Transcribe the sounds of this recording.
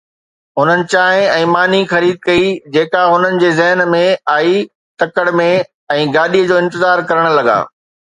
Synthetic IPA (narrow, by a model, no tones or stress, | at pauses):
ɦʊn̤ənɪ̆t͡ɕaːɦɪ̃ɛ̃ːmaːn̤ixɐɾiːd̪̚kɐid͡ʑeːkaɦʊn̤ənɪ̆d͡ʑeːzɛɦnmẽaːi | t̪ɐkəɽmẽ | ɛ̃ːɡaːɗiəd͡ʑoːɪ̃nt̪ɪzaːɾkɐɾəɽ̃lɐɡa̰ː